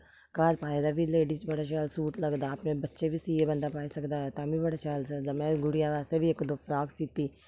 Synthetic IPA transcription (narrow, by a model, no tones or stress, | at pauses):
kaːɽpaːid̪aːbʱileːɖiːt͡ʃbəɽaːʃaːlsuːʈləɡd̪aːpnẽbətːʃebʱiːsiːebənd̪aːpaːisəkd̪aːɦɛt̪ãːbʱibəɽaːt͡ʃaːlsəd̪aːmɛ̃ːɡʊɽijaʋaːsebʱiekd̪oːfɾaːksiːt̪iː